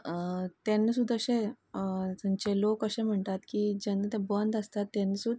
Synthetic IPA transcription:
t̪enːəsud̪ʱəɕẽ | t̪aɲt͡ɕelokəɕẽm̤əɳt̪at̪kiːd͡ʑənːət̪ɛ̃bənd̪əst̪at̪ːenəsud̪

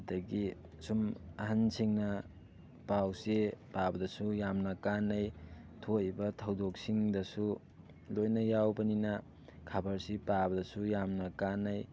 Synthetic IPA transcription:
dɐɡi | sumɐɦansʰiŋnɐ | pawsepabɐdɐsujamnɐkanɐj | tʰobɐtʰɐwdok̚siŋdɐsu | lojnɐjawbɐninɐ | kʰabɐɾsipabɐdɐsujamnɐkanːɐj

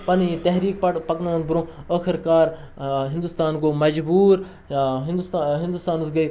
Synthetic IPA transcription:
pɐnit̪ɐɦɾiːk̚pɐʈpɐknanbʊɾõːəːxʰɪɾkaːɾ | ɦɪ̃nd̪ʊst̪aːnɡoːmɐd͡ʒbuːɾ | ɦd̪ɦɪ̃nd̪ʊst̪aːnsɡɐi

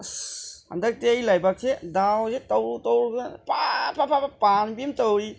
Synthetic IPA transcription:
ha̰ndak̚teajlajbak̚sʰedawzetɔwtɔwɾɡɯnpapʰapʰapapanbimtɔwɾi

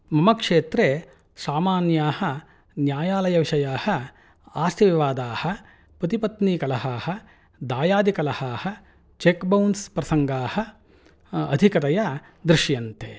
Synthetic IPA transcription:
mɐmɐkʂeːt̪ɾe | saːmaːnjaːhɐ | njaːjaːlɐjɐʋiʂɐjaːhɐ | aːst̪ʰiʋiʋaːd̪aːhɐ̆ | pɐt̪ipɐt̪niːkɐlɐɦaːhɐ | d̪aːjaːd̪ikɐlɐhaːhɐ̆ | t͡ʃekbɐwnspɾɐsɐŋɡaːhɐ̆ | ɐ̰d̪ʱikɐt̪ɐjɐ | d̪ɾɪʃjɐnt̪eː

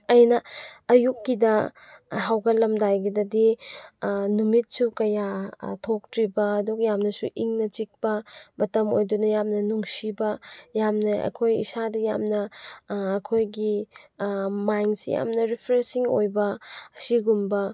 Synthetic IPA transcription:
ɐjnɐːjukːidɐ | ɦawɡɐlɐmdajɡidɐdi | numit̚sukɐjatʰok̚tɾibɐːduɡɐjamnɐsuʔiŋnɐt͡ʃik̚bɐmɐtɐmo̰jdunɐjamnɐnuŋsibɐjamnɐʔɐ̰kʰojḭsadɐja̰mnɐː | kʰojɡi | majŋsḭja̰mnɐɾipʰɾesiŋo̰jbɐsiɡumbɐ

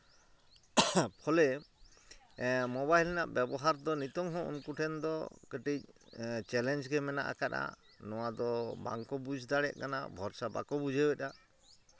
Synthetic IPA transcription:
pʰɔlɛ | mɔbajlnaʔbɛbɔɦaɾd̪ɔnit̪ɔŋɦɔ̃ṵnkuʈʰɛnd̪ɔkəʈic̚t͡ʃɛlɛnd͡ʒɡɛmɛna̰ʔa̰kat̪a̰ | nɔwad̪ɔba̰ŋkɔbud͡ʒʱd̪aɽɛʔ̚kana̰bʱɔɾsaba̰kɔbud͡ʒʱebɛta

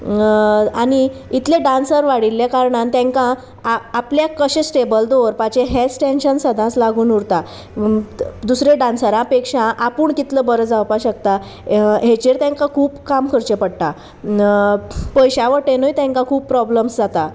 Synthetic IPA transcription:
añiit̪leɖãnsəɾʋaɽilːjakaɾɳãnt̪jãŋkãː | pljakəɕẽsʈebəld̪oʋɾpat͡ɕeɦet͡sʈẽnɕənsəd̪ʱãslaɡuːnuɾt̪a | d̪usɾeɖãnsəɾãpekʂãʔapuːɳkit̪ləbəɾəd͡zawpaɕək̚t̪a | ɦet͡ɕeɾt̪jãŋkãkʰuːpkamkʰəɾt͡ɕepəɽt̪a | pəjɕaʋəʈẽnojt̪ãŋkãkʰuːppɾɔbləmsd͡zat̪a

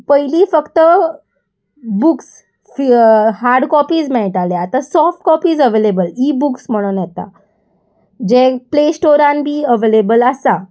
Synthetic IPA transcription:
pəjliːfəkt̪ə | buks | fhaɾɖkɔpiːd͡zmɛɭʈaleat̪asɔfʈkɔpiːd͡zəʋelebəliːbuksm̤əɽ̃unjɛt̪a̰ | d͡ʑeplesʈoɾãnbʱiːəʋelebəlasa

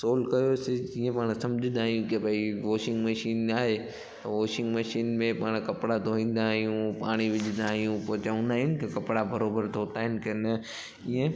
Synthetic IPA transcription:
soːlkɐjosɪd͡ʑiːẽpaːɽ̃sɐ̃md͡ʑʱɪ̃nd̪aːɦijũkebɐiʋoːʃɪ̃ŋɡmɐʃiːnaːɦe | t̪ɐʋoːʃɪ̃ŋɡmɐʃiːnmẽpaːɽ̃kɐpɪɽat̪oːʋĩːn̆d̪aːɦijũpaːɽ̃iʋɪd͡ʒʱɪ̃nd̪aːɦijũpot͡ɕaʊnaɪnɪkekɐpɽabɐɾoːbəɾt̪ʰoːt̪aːɪnkenɐ | iẽ

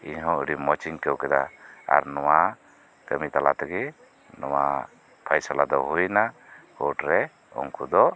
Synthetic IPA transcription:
iɲɦɔ̃ɽimɔt͡ʃiŋkəwkɛd̪aa̰ɾnɔwa | kəmit̪alat̪aɡi | nɔwa̰ | pʰajsalad̪ɔɦujna | hɔʈɾɛ | ɔ̰ŋkud̪ɔʔ

